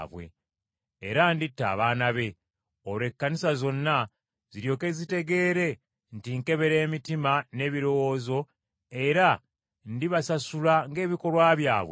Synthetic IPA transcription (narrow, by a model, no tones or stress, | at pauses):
βwḛː | ɾanditːa̰ːβaːnaβe̞ | ole̞kːanisazo̞nːa | ziɾjo̞ːke̞zite̞ɡe̞ːɾe̞ | ntiŋke̞βe̞ɾe̞ːmitimane̞ːβiɾo̞wo̞ːzo̞ | e̞ɾa | ndiβasasulaŋɡe̞ːβiko̞lwaːβjaːβwe